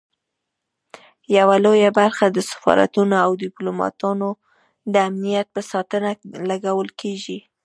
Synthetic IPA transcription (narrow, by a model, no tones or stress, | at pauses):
jawalojabaɾxad̪əsḁfɑ̰ɾa̰t̪unoawd̪ɪplomɑ̰t̪ɑno | d̪əamnijat̪̚pəsɑt̪ənalaɡawəlkʰeʒi